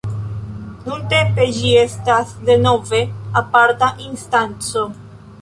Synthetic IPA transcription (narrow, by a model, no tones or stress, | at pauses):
nunt̪e̞mpe̞d͡ʒie̞stasd̪e̞no̞ve̞apaɾtaʔinst̪ant͡so̞